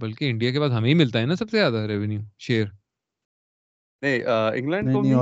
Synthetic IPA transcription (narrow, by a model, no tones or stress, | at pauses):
bɐlkeɪ̃ɳɖijak̬epaːs̬ɦɐmẽɦimɪlt̪aɦɛnasɐbsezjaːd̪aɾɛʋɛnjuːʃeːəɾ | neiʔəɪ̰̃ŋɡlɛ̃ɳɖ̪o